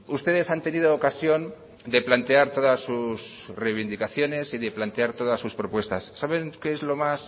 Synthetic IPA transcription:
ust̪e̞ðe̞sant̪e̞nið̞oːkasjo̞n | d̪e̞plant̪e̞aɾt̪o̞ðasːusrejβind̪ikaθjo̞ne̞siðe̞plant̪e̞aɾt̪o̞ð̞asːuspɾo̞pwe̞st̪asːaβe̞ŋkeezlo̞mas

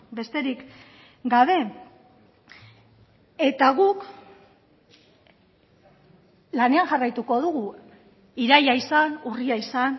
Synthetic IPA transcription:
be̞st̪e̞ɾik | ɡaβ̞e̞ | e̞t̪aɣuk | lane̞aŋʝarajt̪uko̞ð̞uɣu | iɾajaisanuriaisan

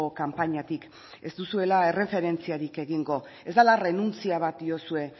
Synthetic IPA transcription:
okampaɲat̪ik | e̞ztd̪usue̞lae̞re̞fe̞ɾe̞nt͡siaɾike̞ɣiŋɡo̞ | e̞zd̪alare̞nunt͡siaβ̞at̪̚d̪io̞sue̞

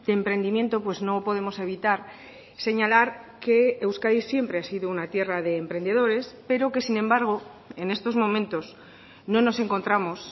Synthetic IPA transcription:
d̪̥eːmpɾe̞nd̪imje̞nt̪o̞pwe̞zno̞po̞ð̞emo̞se̞β̞it̪aɾ | se̞ɲalaɾke̞ːwskaðisje̞mpɾe̞asiðounat̪je̞raðe̞ːmpɾe̞nd̪e̞ð̞o̞ɾe̞spe̞ɾo̞ke̞sinẽ̞mbaɾɣ̞o̞ | e̞ne̞st̪o̞zmõ̞mẽnt̪o̞s | nõ̞no̞se̞ŋko̞nt̪ɾamo̞s

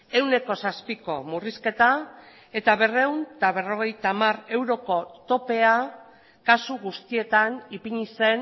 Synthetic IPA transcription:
e̞wne̞ko̞saspiko̞muriske̞t̪a | e̞t̪aβe̞re̞wnt̪aβe̞ro̞ɣ̞e̞jt̪amare̞wɾo̞ko̞t̪o̞pe̞a | kasuɣust̪ie̞t̪anipiɲise̞n

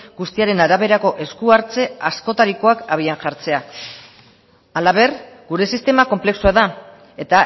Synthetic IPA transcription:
ɡust̪iaɾe̞naɾaβ̞e̞ɾako̞ʔe̞skuaɾt͡se̞asko̞t̪aɾiko̞akaβ̞ianʝaɾt͡se̞a | alaβ̞e̞r | ɡuɾe̞sist̪e̞mako̞mple̞ksuaða | e̞t̪a

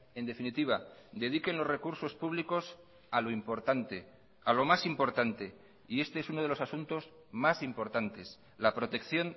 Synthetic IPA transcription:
e̞nd̪e̞finit̪iβ̞ad̪e̞ðike̞nlo̞zre̞kuɾso̞spuβ̞liko̞s | alo̞impo̞ɾt̪ant̪e | alo̞masimpo̞ɾt̪ant̪e̞ | ie̞st̪eesuno̞ð̞e̞lo̞sasunt̪o̞z | masimpo̞ɾt̪ant̪e̞s | lapɾo̞t̪e̞kθjo̞n

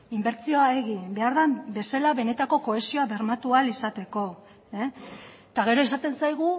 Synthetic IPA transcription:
imbe̞ɾt͡sio̞aeɣibe̞aɾðambe̞salaβe̞ne̞t̪ako̞ko̞e̞sio̞aβe̞ɾmat̪ualisat̪e̞ko̞ | t̪aɣ̞e̞ɾo̞esat̪e̞nsajɣ̞u

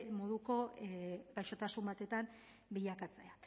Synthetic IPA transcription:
mo̞ðuko̞ɣajʃo̞t̪asumbat̪e̞t̪am | biʎakat͡se̞a

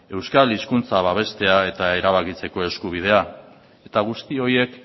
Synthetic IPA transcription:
e̞wskaliskunt͡saβ̞aβ̞e̞st̪e̞ae̞t̪ae̞ɾaβ̞akit͡se̞ko̞e̞skuβ̞ið̞e̞a | e̞t̪aɣ̞ust̪io̞je̞k

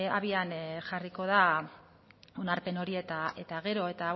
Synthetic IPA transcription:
aβianʝariko̞ða | o̞naɾpe̞no̞ɾie̞t̪ae̞t̪aɣ̞e̞ɾo̞e̞t̪a

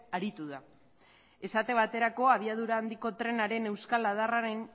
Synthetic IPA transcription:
aɾit̪uða | e̞sat̪e̞βat̪e̞ɾako̞aβ̞iað̞uɾaːnd̪iko̞t̪ɾe̞naɾe̞ne̞wskalað̞araɾe̞n

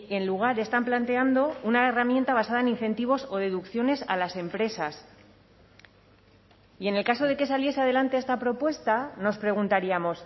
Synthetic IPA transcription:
e̞nluɣ̞aɾe̞st̪amplant̪e̞and̪o̞unaeramje̞nt̪aβ̞asaðaenin̟θe̞nt̪iβ̞o̞so̞ðe̞ðukθjo̞ne̞salase̞mpɾe̞sas | ie̞ne̞lkaso̞ð̞e̞ke̞salje̞se̞að̞e̞lant̪eest̪apɾo̞pwe̞st̪ano̞spɾe̞ɣunt̪aɾiamo̞s

